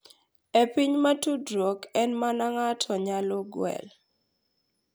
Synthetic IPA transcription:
epiɲmatudɾokɛnmanaŋatʰɔɲalɔɡwɛ̰l

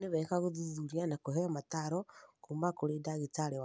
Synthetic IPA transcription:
neβɛkaɣoðuzuɾianakoɦɛɔmataɾɔkuːmbakoɾedaɣetaɾewa

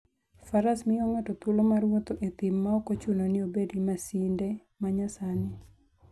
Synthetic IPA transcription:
faɾasmɪoŋotɔt̪ulomarwot̪oʔit̪ɪmːaokot͡ʃunonɪobedimasinde | maɲasanɪ

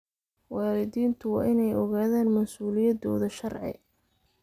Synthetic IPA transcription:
wɑːlɪd̪iːnt̪ʰʊwɑ̰ːʔɪnɛjɔɣaːðaːnmɐsuːlɪjɐd̪ɔ̰ːðɐʃɐrʕɪ̰

